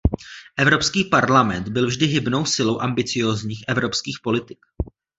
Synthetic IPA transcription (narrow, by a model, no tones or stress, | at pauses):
ʔɛvɾo̞pskiːpaɾlamɛnt̪bɪlvʒdɪɦɪbno̞wsɪlo̞wʔambɪt͡sɪjo̞ːzɲiːxʔɛvɾo̞pskiːxpo̞lɪt̪ɪ̥k